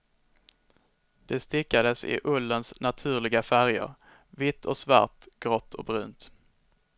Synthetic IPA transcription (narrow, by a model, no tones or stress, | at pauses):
d̪̥ɛst̪ɪkːad̪əsɪ̰ʔɵlːənsnat̪ʰʉ̟ːɭɪɡafæɾjə̰ɾ | vɪt̪ːʰɔsva̰ɾt̪ɡ̥ɾɔt̪ːʰɔ̰k̚bɾʉ̟ːnt̪